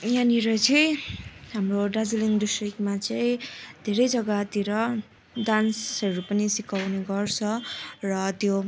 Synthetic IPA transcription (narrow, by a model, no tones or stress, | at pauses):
janiɾʌt͡sʰijɦamroɖad͡ziliŋd̪usrikmat͡sʌĩd̪ʱeɾʌjd͡zʌɡat̪iɾʌ | d̪ansʌɾupʌnisikawneɡʌrt͡sʰʌrʌt̪jo